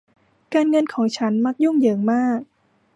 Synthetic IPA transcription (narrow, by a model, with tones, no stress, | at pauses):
kaː˧nŋɤ˧nkʰɔː˩˦ŋt͡ɕʰa˦˥nma˦˥k̚ju˥˩ŋjɤː˩ŋmaː˥˩k̚